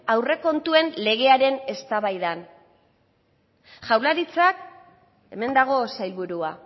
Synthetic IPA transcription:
awre̞ko̞nt̪ue̞nle̞ɣ̞e̞aɾe̞ne̞st̪aβajðan | ʝawlaɾit͡sak | e̞me̞nd̪aɣ̞o̞sajlβuɾua

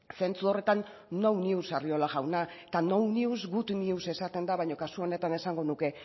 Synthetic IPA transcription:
se̞nt͡suo̞re̞t̪anː | owniusario̞laɣawnaet̪anowniuzɡut̪niuse̞sat̪e̞nd̪aβajɲo̞kasuo̞ne̞t̪ane̞saŋɡo̞nuke̞

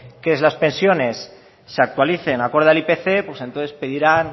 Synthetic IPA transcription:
keezlaspe̞nsjone̞sː | eak̚t̪waliθenako̞ɾðalipeθepwesent̪oθespeðiɾan

